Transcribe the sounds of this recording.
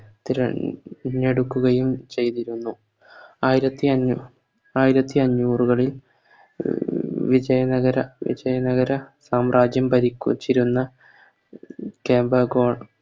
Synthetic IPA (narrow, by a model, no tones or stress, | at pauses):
t̪iɾɐ̰ɲːe̞ɽukːuɣɐjumt͡ɕe̞jt̪iɾunːu | aːjiɾɐt̪ːiɐɲːu | aːjiɾɐt̪ːiɐɲːuːruɣɐɭil | ʋid͡ʑɐjɐnɐɣɐɾɐʋḭd͡ʑɐjɐnɐɣɐɾɐsaːmraːd͡ʑjɐmpɐɾikʲːṵt͡ɕːiɾunːɐ | keːmbɐɡoːɳ